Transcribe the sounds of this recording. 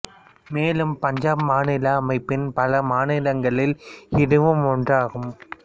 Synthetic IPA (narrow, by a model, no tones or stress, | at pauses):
meːlɯmpɐɲd͡ʒaːpmaːnɪlɐːmɐɪpːɪnpɐlɐmaːnɪlɐŋɡɐɭɪlɪɽɯʋɯmɔɳdraːɣɯm